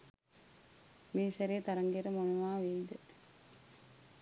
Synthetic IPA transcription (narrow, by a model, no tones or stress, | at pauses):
meːsæɾejet̪aɾɐŋɡeɾəmonəʋaːʋeid̪ə